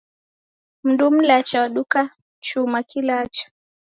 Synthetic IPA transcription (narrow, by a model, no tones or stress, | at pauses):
m̩ndum̩lat͡ʃawaɗuka | t͡ʃumakilaːt͡ʃɔ̥